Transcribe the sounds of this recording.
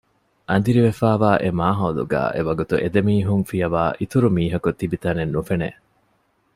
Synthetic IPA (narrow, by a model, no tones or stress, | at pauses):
ʔɐnd̪iɾiʋefæːʋaːʔemaːɦɐːlṵɡæ̰ːʔeʋɐɡut̪uʔed̪emiːɦuŋfijɐʋaːʔit̪uɾumiːɦɐkut̪ːibit̪ɐnenːufene